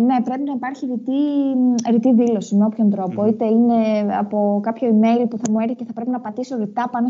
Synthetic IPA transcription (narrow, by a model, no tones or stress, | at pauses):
ne̞pɾe̞pinɐipɐɾçiɾit̪i | ɾit̪iðilo̞simeo̞pço̞nt̪ɾo̞po̞it̪e̞ine̞ɐ̰po̞kɐpço̞ime̞jlpuθɐmue̞ɾθiceθɐpɾe̞pinɐpɐt̪iso̞ɾit̪ɐpɐno